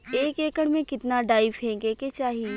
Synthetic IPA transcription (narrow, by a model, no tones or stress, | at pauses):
eːkeːkəɽmẽkɪt̪naɖaːɪʋɦɛ̃ːɡeket͡ʃaːɦi